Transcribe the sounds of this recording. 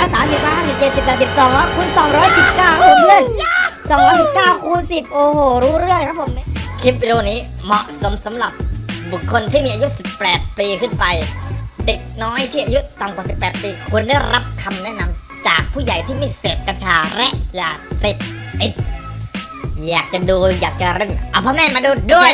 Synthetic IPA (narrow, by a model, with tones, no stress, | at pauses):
a˧˥saː˨˦msi˨˩waː˧haː˥˩si˨˩p̚t͡ɕe˨˩t̪̚si˨˩p̚ːɛː˨˩t̪si˨˩t̪̚sɔː˨˦ŋɾɔː˦˥kʰuː˧nsɔː˨˦ŋɾɔː˦˥jsi˨˩p̚kaː˥˩wka˥pʰo˧˦mmɯ˧˥ə˨nsɔː˨˦ŋɾɔː˦˥jsi˨˩p̚kaː˥˩wkʰuː˧nsi˨˩p̚ʔoː˧hoː˨˩ɾuː˦˥ɾɯ˥˩əŋlkʰa˦˥pʰo˨˦m˥kʰi˦˥p̚wi˧ɾoː˧niː˦˥ | mɔ˨˩ʔso˩˦msa˩˦mɾa˨˩p̚bu˨˩kʰːo˧nt̪ʰiː˥˩miː˧a˧ju˦˥si˨˩pːɛː˨˩t̪̚piː˧kʰɯ˥˩npa˧jde˨˩k̚nɔː˦˥jt̪ʰiː˥˩ʔa˧ju˦˥t̪a˧˩ŋkwa˨˩si˨˩pːɛː˨˩t̪̚piː˧kʰu˧ənda˥˩jɾa˦˥p̚kʰa˧mnɛ˦˥ʔna˧m | t͡ɕaː˨˩k̚pʰuː˥˩ja˨˩jt̪ʰiː˥˩ma˥˩jseː˨˩p̚kɾa˧nt͡ɕʰaː˧ɾɛ˦˥ʔjaː˧˩seː˨˩p̚ | ʔi˨˩t̪̚ | jaː˨˩k̚t͡ɕa˨˩duː˧jaː˨˩k̚t͡ɕa˨˩ɾe˧˩ŋʔa˧˩pʰɔː˧˥mɛː˧˥˩maː˧duː˧du˥˩əj